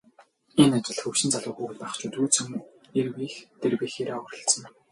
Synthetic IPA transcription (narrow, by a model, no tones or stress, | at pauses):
enat͡ɕɪ̆ɮxɵwʃɪ̆nt͡saɮʊːxuːuɮpæχt͡ɕuːt̪uːt͡sʰɵ̆m | erwiːxt̪erwiːxeːɾeːɔrɞ̆ɬt͡sə̆ŋ